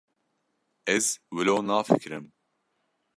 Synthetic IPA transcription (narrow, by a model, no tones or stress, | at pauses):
ɛzwɨloːnaːfɨkɾɨm